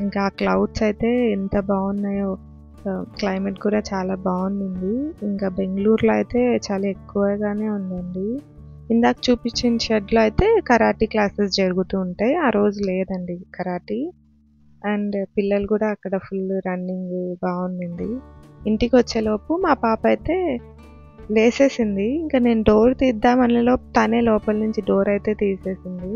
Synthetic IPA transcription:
iŋkaːklɐwɖsɐjt̪e̞ːɛnt̪ɐbaːunːaːjoː | klɐjmeʈkuːɽaːt͡ʃaːlaːbaːunund̪iiŋkaːbe̞ŋɡluːɾloːɐjt̪e̞ːt͡ʃaːlaːekːuʋaːɡaːne̞ːund̪ɐɳɖi | ind̪aːkɐ̥t͡ʃuːpit͡ʃːiniʃɐɖloːɐjt̪e̞ːkɐɾaːʈiːklaːses̬d͡ʒɐɾuɡut̪uːɳʈaːjaːɾo̞ːd͡ʒuleːd̪ɐɳɖikɐɾaːʈi | ɐɳɖpilːɐlukuːɽaːkːɐɽɐpʰulɾɐɳɖiŋɡbaːund̪ɐɳɖ̪iiɳʈikiʋɐt͡ʃːeːloːpumaːpaːpɐjt̪e̞ː | le̞ːse̞ːsind̪iiŋkaːne̞ːnuɖo̞ːɾt̪iːd̪ːaːmɐnlɐlo̞ːt̪aːne̞ːlɔːpɐlnuɲt͡ʃiɖo̞ːɾɐjt̪e̞ːt̪iːse̞ːsind̪i

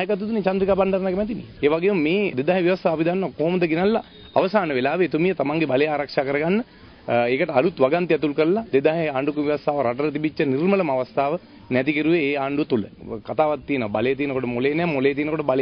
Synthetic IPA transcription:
jəkat̪ːut̪unet͡ʃand̪ɾikaːband̪ɐɾnakemɛt̪inḭeːʋaɡejummeːd̪ed̪aɦeʋjiʋast̪ʰaːpid̪anːʋakoɦomɐd̪əɡinalːaː | ʋəsaːnəʋelaːʋeːt̪umijət̪amaŋɡebalejaːɾakʂaːkəɾɐɡanːə | ekəʈəalut̪ʋaɡant̪iat̪ulkəɾlad̪ed̪aːɦeaːɳɖukuʋiʋɐst̪ʰaːʋəɾaʈəɾət̪ibit͡ʃːənirmələmaʋast̪ʰaːʋə | nɛt̪ikiɾuʋeːaːɳɖut̪ulə̰kat̪aːʋat̪ːijenəʋabalejət̪iːnəkoʈəmoleːnɛːmolejət̪̬iːnəkoʈəbale

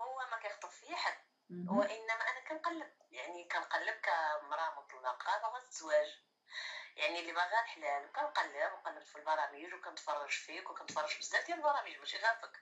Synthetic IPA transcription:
hʊwːæmækæjəxt̪ˤːəffijæħəl | wʔənːæmæʔænækænqɑlːəb̚jaʕnikænqɑlːəb̚kæmɾˤɑməq̪ˤləlʔɑqɾˤɑbæwɣæzt̪zwæʒ | jaʕnilːimæɣælħlælkænqɑlːəbnqɑlːəbt̪filbɑɾˤɑmiʒwkænət̪fɑrˤːɑʒfikwkænət̪fɑrˤːɑʒbəzd̪æbt̪jælbɑɾˤɑmiʒmæʃiɣæɾfək

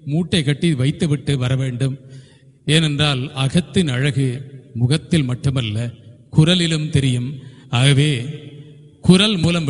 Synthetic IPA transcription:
muːʈːɐɪkɐʈːiʋɐɪt̪ːɯʋɪʈːɯʋɐɾɐʋeːɳɖɯm | eːnɛndraːlɐɣɐt̪ːɪnɐɻɐɣɯmʊɣɐt̪ːɪlmɐʈːɯmɐlːɐ | kʊɾɐlɪlɯmt̪ɛɾɪjɯmaːɣɐʋeː | kʊɾɐlmuːlɐmʋ

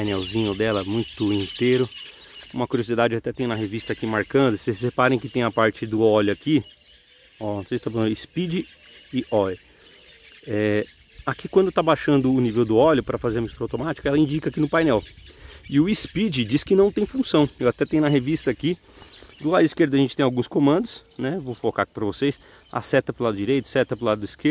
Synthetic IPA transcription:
pajnɛwzĩɲʊd̪ɛlɐmũj̃t̪ʊĩnt̪ejɾʊ | ũmɐkuɾiozid̪ad͡ʒɪat̪ɛt̪ẽj̃nɐɦevist̪ɐakimaɾkɐ̃d̪ʊsesepaɾẽj̃kɪt̪ẽj̃ɐpaɾt͡ʃɪd̪ʊɔʎʊaki | ɔõsejzst̪apɐɐ̃d̪ispid͡ʒɪ | ɪʔɔlʊ | ɛ | akikwɐ̃d̪t̪abaʃɐ̃nd̪ʊːnivewd̪ʊɔʎʊpɾɐfazeɾɐmist̪uɾawt̪omat͡ʃi̥kʊɛlɐĩd͡ʒikɐakinʊpajnɛwɪʊispid͡ʒɪd͡ʒiskɪnɐ̃w̃t̪ẽj̃fũsɐ̃w̃ewat̪ɛt̪ẽj̃ʊ̃nɐɦevist̪ɐaki | d̪ʊlad̪ʊiskeɾd̪ɐʒẽnt͡ʃɪt̪ẽj̃awɡũskõmɐ̃nd̪ʊs | nɛvowfokaki̥pɾɐvosejs | a̰sɛt̪ɐpɾʊlad̪ʊd͡ʒiɾejt̪ʊ̥sɛt̪ɐpɾʊlad̪ʊd̪ɐiskeɾ

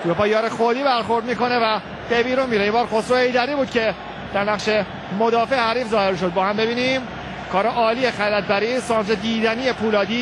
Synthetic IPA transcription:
uɾopɒːjɒːɾexod̪iːbæɾxo̞ɾd̪miːko̞ne̞væ | b̥ebiːɾunmiːɾeimbɒːɾxosohe̞jd̪æɾiːbuːd̪̚cʰe̞ | d̪̥æɾnæʁʃe̞ | mo̞d̪ɒːfeʔehæɾiːfzɒːheɾʃ̬o̞d̪̚bɒːhæmbe̞biːnim | kʰɒːɾeʔɒːliːjexælæt̪̚bæɾiːsɒːnsed̪iːd̪ænije̞pʰuːlɒːd̪iː

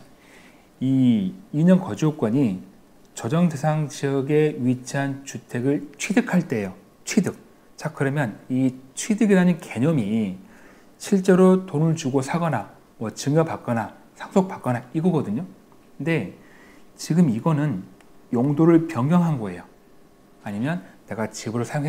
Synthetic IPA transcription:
iː | ɲʌnkʌd͡ʑiok͈wʌɲi | t͡ɕʌd͡ʑʌŋde̞sʰaŋɕʰiʌɡe̞ɥit͡ɕʰiɦant͡ɕutʰe̞ɡɯɭt͡ɕʰwidɯkʰaɭt͈e̞jo | t͡ɕʰwidɯk̚ | t͡ɕak͈ɯɾʌmjʌnit͡ɕʰwidɯɡiɾanɯnke̞ɲʌmi | ɕʰiɭt͡ɕ͈e̞ɾotonɯɭt͡ɕuɡosʰaɡʌna | mwʌt͡ɕɯŋʌpak͈̚ʌna | sʰaŋsʰok̚p͈ak͈ʌnaiɡʌɡʌdɯɲo | nde̞ | t͡ɕiɡɯmiɡʌnɯn | joŋdoɾɯɭpjʌŋɡjʌŋɦanɡʌe̞̰jo | aɲimjʌnːe̞ɡat͡ɕibɯɾosʰajoŋɦe

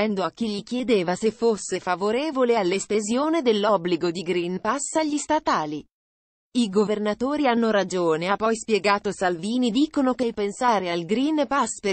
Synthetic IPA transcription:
ɛnd̪oak̟ːiʎːik̟jed̪eːvasefosːefavoɾeːvolealːesp̪ezjoːned̪elːɔbliɡod̪iɡɾinpasaʎːist̪at̪aːli | iɡovernat̪oːɾianːoɾad͡ʒoːneapːɔjspjeɡaːt̪osalviːnid̪iːkonokejpensaːɾealɡɾinpaspe

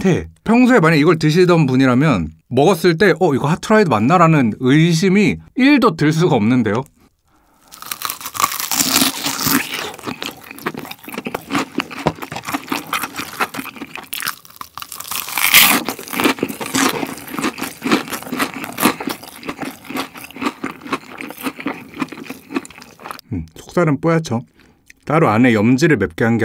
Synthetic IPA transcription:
ne̞pʰjʌŋsʰoe̞maɲiiɡʌɭtɯɕ̬ʰidʌnbuɲiɾamjʌnmʌɡʌs͈ɯɭt̬͈e̞ʔʌiɡʌɭhʰatʰɯɾaidɯmanːaɾanɯnɯjɕ̬ʰimiiɭdotɯɭs̬͈uɡaʌmnɯnde̞jo | sʰo̥k̚t͈aɾɯnp͈ojat͡ɕʰʌ | t̪͈aɾoane̞jʌmd͡ʑiɾɯɭmep̚k͈eɦaŋɡe

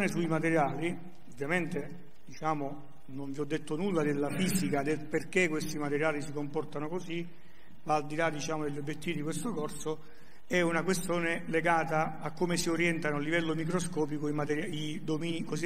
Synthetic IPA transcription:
nesuimat̪eɾjaːli | ovːjament̪e | d̪̥it͡ʃaːmo | noɱviɔd̪ːet̪ːonulːad̪elːafiːsikad̪elperkekːwest̪imat̪eɾjaːlisikompɔrt̪anokosi | vaːld̪ilad̪ːit͡ʃaːmod̪eʎːobjet̪ːiːvid̪ikwest̪okɔrso | ɛunakwest̪joːneleɡaːt̪aakːomesioɾjɛnt̪anoalːivɛlːomik̬ɾoskɔːp̬ikoimat̪eɾjai | d̪omiːnikosi

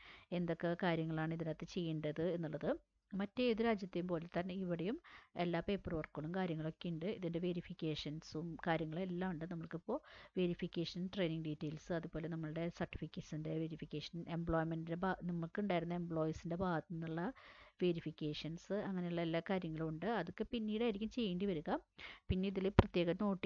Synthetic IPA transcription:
e̞nd̪o̞kːekaːɾjɐŋːɐɭaːɳɨiðinɐt̪ːɐt͡ɕe̞jːuɳɖɐðɨe̞nːuɭːɐðɨ | mɐtːeeːðuɾaːd͡ʑjɐt̪ːejumpo̞ːlet̪ːɐnːeiʋiɽejume̞lːaːpe̞ːpːɐrʋɐrkːɐɭumkaːɾjɐŋːɐɭo̞kːejuɳɖɨiðinde̞ʋeɾifikʲːe̞ːʂɐnsumkaːɾjɐŋːɐɭme̞lːaːmuɳɖɨnɐmːɐɭkipːo̞ːʋe̞ɾifikʲːeːʂɐnʈre̞jniŋɖiːtːeːlsɨɐðubo̞ːle̞nɐmːɐɭɨɽe̞sɐrʈːi̥fikʲːesinde̞ʋeɾifikʲːeːʂɐnembɭoːjmenɖindebaːnɐmːɐɭkɨuɳɖaːjiɾunːɐe̞mbɭo̞ːjsinde̞baːɡɐt̪ːnnːuɭːɐʋe̞ɾifikʲːeːʂɐnsɨɐŋːɐne̞juɭːɐelːaːkaːɾjɐŋːɐɭmuɳɖɨɐðo̞kːe̞pinːiːɽaːjiɾikʲːumt͡ɕe̞jːeɳɖiʋɐɾuɣɐpinːeiðilprɐt̪jeːɣɐno̞ːʈːi

